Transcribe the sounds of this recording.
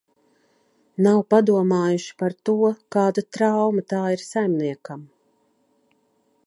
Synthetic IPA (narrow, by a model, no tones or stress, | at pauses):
nawpad̪uɔmaːjuʃi̥paɾt̪uɔkaːd̪ut̪ɾawmat̪aːiɾsajmniɛkam